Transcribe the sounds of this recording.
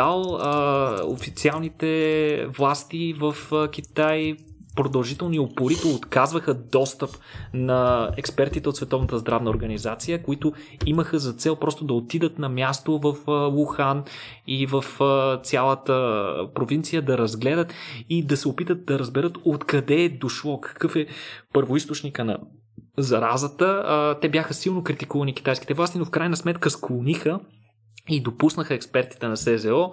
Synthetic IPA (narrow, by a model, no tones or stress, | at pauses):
alˠ | o̰fit̪sialˠnit̪ɛvlˠast̪ivəfkʲit̪ajpɾod̪ɐlˠʒit̪ɛlˠniopoɾit̪ɛot̪kazvəxəd̪ɔst̪əpnɐɛkspɛɾt̪it̪ɛot̪svɛt̪ɔvnət̪əzd̪ɾavnəoɾɡɐnizat̪sijəkoit̪ʊiməxəzɐt̪sɛlˠpɾɔst̪ʊd̪ɐot̪id̪ət̪nɐmʲjast̪ovəflˠuxan | ivəft̪sʲjalˠət̪ə̰pɾovintsijəd̪ɐɾɐzɡlɛd̪ət̪id̪ɐsɛopit̪ət̪̚d̪ɐɾəzbɛɾɤt̪ot̪kɐd̪ɛd̪oʃlˠɔkɐ̥kɤfɛpɤɾvoist̪ot͡ʃnikənɐ̰ | zɐɾazət̪ət̪ɛbjaxəsilˠnokɾit̪ikuvɐnik̟i̥t̪ajsk̟i̥t̪ɛvlˠast̪inofkɾajnɐsmɛt̪kəsklˠonixə | id̪opusnəxəɛkspɛɾt̪i̥t̪ɛnɐsɛzɛɔ